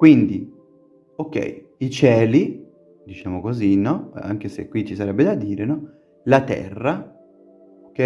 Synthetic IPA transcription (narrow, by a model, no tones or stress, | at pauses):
kwind̪i | okːɛ̰j | it͡ʃɛːli | d̪it͡ʃaːmokozinɔa̰ŋkesḛkːwit͡ʃːisaɾɛbːed̪ad̪iːɾenɔ | lat̪ɛ̰rːa | ke